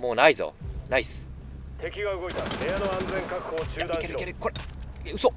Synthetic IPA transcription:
moːnaizo̰naisɨ̥ | t̪e̞kʲiɡaɯ̟ɡo̞it̪ahejanoãnd͡zẽ̞ŋkakɯ̟̥hoːt͡ɕɨːd̪ãkeɾkeɾekoɾe | ɯ̟so

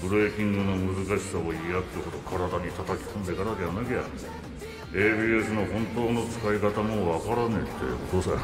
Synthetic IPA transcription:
bɯ̟ɾeːkʲĩŋɡɯno̞mɯ̟zɨkaɕi̥saoijat̪ːekot̪okʰaɾad̪aɲ̟it̪at̪akʲi̥kõ̞nd̪e̞kaɾad̪e̞βanakeja̰ | eːbiːe̞sɨno̞hõ̞nt̪o̞ːno̞t͡sɨ̥kaikat̪amo̞βakaɾanet̪ːe̞̰o̰t̪oːsa

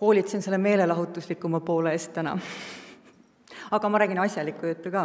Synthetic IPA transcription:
ho̞ːlʲit̪sense̞lːeme̞ːle̞lɑɦut̪ːˑuslikːˑumɑpo̞ːleeːst̪t̪ːænɑ̰ | ɑɡ̥ɑmɑɾæːɡ̥inɑsʲjɑlikːˑujut̪ːˑukɑː

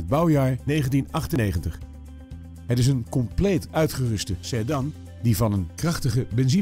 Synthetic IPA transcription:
əd̚bɑwjaːɹnejχəntinɑχtənejχəntəχ | ɦətɪs̬ənkɔmplejtœɥtχərɵstəsɛdɑn | divɑnənkrɑχtəχəbɛnzi

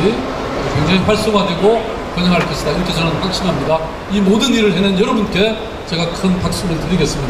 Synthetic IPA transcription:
i | kwe̞ŋd͡ʑaŋiɸaɭs͈oŋɦadwe̞ɡo | kwʌɲɦaŋɦaɭk͈ʰes͈ɯndaiɾʌkʰe̞t͡ɕʌnanɸak̚ɕ͈inɦamɲida | imodɯniɾɯɭɦenɯnjʌɾʌbunk͈e̞ | t͡ɕe̞ɡakʰɯnpak̚s͈umɯɭtɯɾiɡe̞s͈ɯmɲid

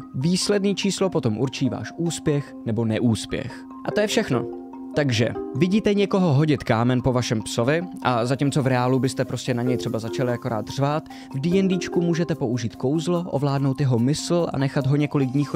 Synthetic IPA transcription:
viːslɛdniːt͡ʃiːslo̞po̞t̪o̞mʔuɾt͡ʃiːva̰ːʃʔuːspjɛxnɛbo̞nɛʔuːspjɛ̰x | ʔat̪ojɛfʃɛxno̰ | t̪aɡʒɛ̰vɪɟiːt̪ɛɲɛko̞ɦo̞ɦo̞ɟɪt̪kaːmɛnpo̞vaʃɛmpso̞vɪʔazacimt͡so̞vɾɛaːlubɪst̪ɛpɾo̞scɛnaɲɛjt̪r̥ɛbazat͡ʃalɪako̞ɾa̰ːt̪r̝̥vaːt̪ | vdijɛndiːt͡ʃkumuːʒɛt̪ɛpo̞ʔuʒiːt̪ko̞wzloʔo̰vlaːdno̞wt̪jɛɦo̞mɪsl̩ʔa̰nɛxad̪ɦoɲɛko̞lɪɡ̚dɲiːx

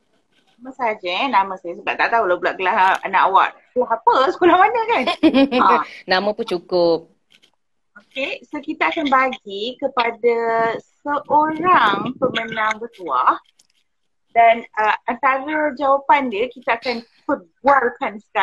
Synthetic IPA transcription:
namãsaad͡ʒənamə̃sad͡ʒasuda̰ʔt̪aʔt̪auwalabulaʔɡəlaha̰na̰ʔawa̰ʔskulaɦapəsə̥kulahmanə̃kan | nãmə̃pʊnt͡ʃukʊp̚ | okesokit̪aakanbaɡikəpadasəʔoɾaŋpəmənãŋbət̪uah | danəant̪aɾəd͡ʒawapandiəkit̪aakan | pəbuarkansə̥ka

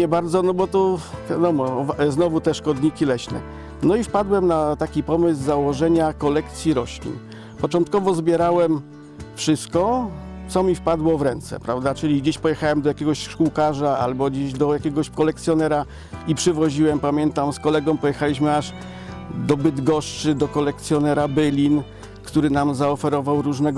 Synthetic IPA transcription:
ɛbaɾd̪zɔnɔbɔt̪ɔvʲjad̪ɔmɔvznɔvut̪ɛʂkɔd̪ɲikʲilɛɕnɛ̰ | nɔifpad̪wɛmnat̪akʲipɔmɘzzawɔʐɛɲakɔlɛkt̪sʲjiɾɔɕlʲḭn | pɔt͡ʂɔnt̪̚kɔvɔzbʲjɛɾawɛm | fʂɘst̪̚kɔt̪sɔmʲifpad̪wɔvɾɛnt̪sɛ̰pɾavd̪at͡ʂɘlʲiɡd͡ʑeɕpɔjɛxawɛmd̪ɔjakʲɛɡɔɕʂkuwkaʐaa̰lbɔd͡ʑeʑd̪ɔjakʲɛɡɔɕkɔlɛk̚t̪sʲjɔnɛɾa | ipʂɘvɔʑiwɛmpamʲjɛnt̪amskɔlɛɡɔ̃mpɔjɛxalʲiɕmɘaʐ | d̪ɔbɘd̪ɡɔʂt͡ʂɘd̪ɔkɔlɛkt̪sʲjɔnɛɾabɘlʲin | kt̪uɾɘnamzaɔfɛɾɔvawɾuʐnɛɡ

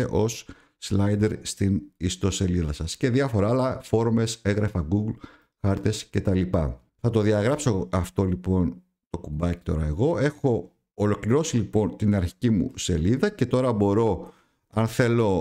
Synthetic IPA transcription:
eʔo̞sː | lɐjd̪eɾst̪inist̪o̞se̞liðɐsɐsce̞ðiɐfo̞ɾɐːlɐfo̞ɾome̞se̞ɣɾɐfɐɡuɡl | xɐɾt̪e̞sce̞t̪ɐlipɐ | θɐt̪o̞ðiɐɣɾɐpso̞ɐft̪o̞lipo̞n | t̪o̞kubɐci̥t̪o̞̰ɾɐe̞ɣo̞e̞xo̞ː | lo̞kliɾo̞silipo̞nt̪inɐɾçi̥cimṵse̞liðɐce̞t̪o̞ɾɐbo̞ɾo̞ | ɐnθe̞lo̞

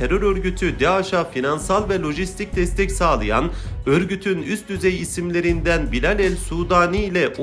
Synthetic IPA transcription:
eɾøɾøɾɟyt̪ʰyd̪ɛaʃafinansalˠvɛlʲˠo̞ʒist̪ʰic̚d̪ɛst̪ʰɛcsaːlˠɯja̰nø̞ɾɟyt̪ʰynyst̪̚d̪yzɛjisimlʲe̞ɾind̪ænbilʲalʲɛlʲsuːd̪aːniːlʲɛʔ

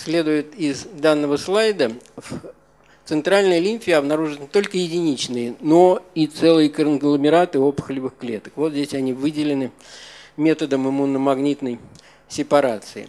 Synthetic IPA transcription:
sʲlʲe̞d̪ʊjɪt̪ɪzd̪anːəvəslˠajd̪əf | t̪sɨnt̪ɾalʲnəjəlʲinʲfʲɪəɐbnɐɾuʐɨnnʲɪt̪o̞lʲkəjɪdʲɪnʲit͡ɕnɨjəno̞it̪sɛlˠɨjəkənɡlˠəmʲɪɾat̪ɨo̞pə̥xlʲɪvɨxklʲe̞t̪ə̥kvot̪zʲdʲesʲɐnʲivɨdʲɪlʲɪnɨmʲe̞t̪əd̪əmɨmunːəmɐɡnʲit̪nəj | sʲɪpɐɾat̪sɨɪ̰

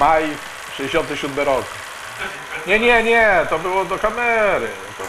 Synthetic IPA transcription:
maj | ʂɛd͡ʑeɕɔnt̪ɘɕud̪mɘɾɔk | ɲɛɲɛɲɛt̪ɔbɘwɔd̪ɔkamɛɾɘ̰ | t̪ɔ

